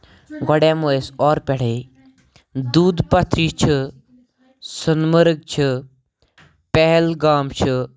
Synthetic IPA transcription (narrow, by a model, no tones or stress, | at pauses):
ɡɔɽãːmoesɔːɾpɛɽ̤e | d̪uːd̪pɐt̪ʰɾiːt͡ʃʰi | sənməɾɡ̚t͡ʃʰɨ | pɛɦlɡaːmt͡ʃʰi